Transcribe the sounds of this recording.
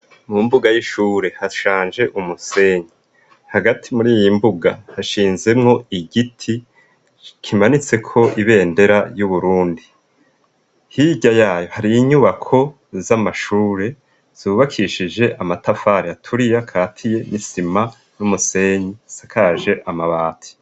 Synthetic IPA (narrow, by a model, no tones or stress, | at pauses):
mumbuɡajiʃuːɾe̞haʃaːnd͡ʒe̞ʔumuse̞ɲi | haɡatʰimuɾiːjimbuɡa̰haʃiːnze̞mŋo̞iɡitʰi | kʰimanit͡se̞kʰo̞ʔiβe̞ːnde̞ɾajuβuɾuːndi | hiɟajaːjo̞haɾiːɲuβakʰo̞ | zamaʃuːɾe̞ | z̥uːβakʰiʃid͡ʒe̞ʔamatafaːɾiatʰuɾijakʰaːtʰije̞nisima | numuse̞ɲisakʰaːʒe̞ʔamaβaːtʰi̥